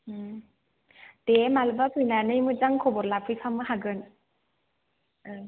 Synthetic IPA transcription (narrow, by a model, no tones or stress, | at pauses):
t̪emalbapʰɯjnanɯjmɯd͡zaŋkʰɔbɔɾlapʰɯjpʰamɯɦaɡɯn | ɯ